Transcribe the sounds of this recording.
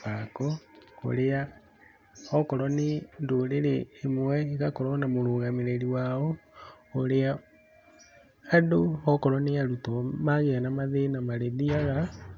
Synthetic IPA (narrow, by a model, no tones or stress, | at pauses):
akɔo̰ɾea | hɔkɔɾɔnendoɾeɾeːmwɛiɣakɔɾɔnamoɾoːɣameɾeɾiwaɔ | oɾea | adohɔkɔɾɔneaɾutɔmaɣeanamaðenamaɾeðiaɣa